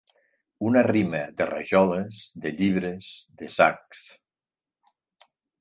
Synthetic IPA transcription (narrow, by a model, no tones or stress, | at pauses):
unariməd̪əra̰ʒɔləzd̪əʎiβ̞ɾəzðəsak̚s